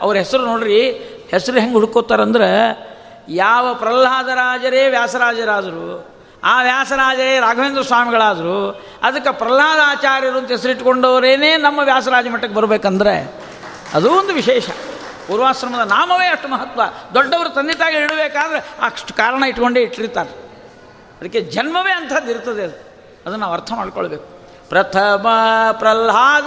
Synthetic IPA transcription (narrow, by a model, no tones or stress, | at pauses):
ɐ̰ʋɐɾɦesɐɾunoːɽiɾi | hesɐɾuɦeŋɡɦuɽukoːt̪ːaːɾɐnd̪ɐɾe | jaːʋɐpɾɐlaːd̪ɐɾaːd͡ʒɐɾeːʋjaːsɐɾaːd͡ʒɐɾaːd̪ɐɾu | aːʋjaːsɐɾaːd͡ʒɐɾeːɾaːɡʱɐʋeːnd̪ɾɐsʋaːmiɡɐɭaːd̪ɐɾu | ɐd̪ɐkːɐpɾɐlɦaːd̪ɐaːt͡ʃaːɾjɐɾuɐnt̪ɐɦes̬ɐɾuiʈːkoɳɖoːʋɐɾeːneːnɐmːɐʋjaːs̬ɐɾaːd͡ʒɐmɐʈːɐkːebɐɾbeːkɐnd̪ɐɾe | ɐ̰d̪uond̪uʋiʃɛːʂɐ̰ | puːɾʋaːsɾɐmɐd̪ɐnaːmɐʋeːɐʂʈumɐɦɐt̪ːʋɐd̪ɔɖːɐʋɐɾut̪ɐnd̪it̪aːɡiiɽɐbeːkaːd̪ɐɾeaːʂʈu̥kaːɾɐɳɐiʈko̞ɳɖeiʈːɾit̪ːaːɾe | ɐd̪ɐkːed͡ʒɐnmɐʋeːɐnt̪ʰɐd̪iɾt̪ɐd̪eɐd̪u | ɐd̪ɐnːaːʋɐɾt̪ʰɐmaːɖkoɭbeːku̥ | pɾɐt̪ʰɐmɐpɾɐlɦaː